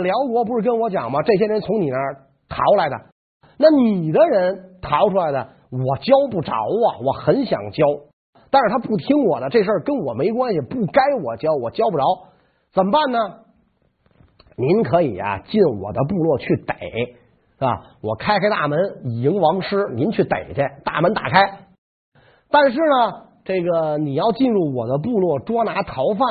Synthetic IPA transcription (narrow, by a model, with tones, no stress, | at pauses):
ljɑ˧˥ʊkwɔ˧˥pu˧˥ʂɻ̩˥˩kə˥nwɔ˧˥t͡ɕjɑ̰˨˩ŋmɐ˦ʈ͡ʂɤ˥˩ɕ̬jɛ˥ɻə˧˥nt͡sʰʊ˧˥ŋni˨˩nə˧˥ | t̪ʰɑ˧˥ʊla˧˥ɪd̪ə̰˧ | na˥˩ni˨˩d̪ə˦ɻə˧˥nt̪ʰɑ˧˥ʊʈ͡ʂʰu˥la˧˥ɪd̪ə˧ | wɔ˨˩t͡ɕjɑ˥ʊpu˥˩ʈ͡ʂɑ̰˧˥ʊɐ̰˨wɔ˨˩xə˧˥nɕjɑ̰˨˩ŋt͡ɕjɑ˥ʊ | t̪a˥˧ʂɻ̩˥˩t̪ʰa˥pu˥˩t̪ʰi˥ŋwɔ˨˩d̪ə˦ʈ͡ʂɤ˥˧˩ʂə˥˩kə˥nwɔ˨˩me˧˥ɪkwa˥nɕi˨pu˥˩ka˥ɪwɔ˨˩t͡ɕjɑ˥ʊwɔ˨˩t͡ɕjɑ˥ʊpu˥˩ʈ͡ʂɑ˧˥ʊ | t͡sə˨˩mpa˥˩nnə˨ | ni˧˥nkʰɤ˧˥ḭ˨˩ɐ̰˦t͡ɕi˥˩nwɔ̰˨˩d̪ə˦p̬u˥˧lwɔ˥˧t͡ɕʰy˥˩t̪e˨˩˦ɪ | a̰˧wɔ˨˩kʰa˥ɪkʰa˥ɪt̪a̰˥˩mə˧˥n˨˩i˧˥ŋwɑ˧˥ŋʂɻ̩˥ni˧˥nt͡ɕʰy˥˩t̪ḛ˨˩ɪt͡ɕɛ˥˩nt̪a̰˥˩mə˧˥nt̪a̰˨˩kʰa˥ɪ | t̪a˥˧nʂ̬ɻ̩˥˩nə˩ | ʈ͡ʂe˥˩ɡə˩ni˨˩jɑ˥˧ʊt͡ɕi˥˧nɻu˥˩wɔ˨˩d̪ə˦p̬u˥˧lwɔ˥˩ʈ͡ʂwɔ˥na˧˥t̪ʰɑ˧˥ʊfa˥˩